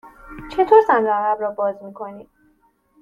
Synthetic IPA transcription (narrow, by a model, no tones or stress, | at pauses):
t͡ʃʰe̞t̪ʰoːɾsænd̪ɾoæɣæbɾɒːbɒːzmiːkʰo̞niːm